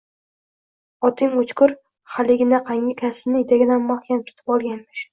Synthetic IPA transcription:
ɒt̪ʰɪŋot͡ʃkʊɾ | χalɪɡʲɪnaqʰaŋɡʲɪkʲʰasɪnɪɪd̪aɡʲɪd̪anmahkʲant̪ʲʰʊ̥t̪ʰɪ̥pɒlˠɡʲanmɪʃ

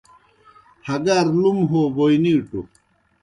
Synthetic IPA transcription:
hɐɡɐɾlumɦobojniːʈṵ

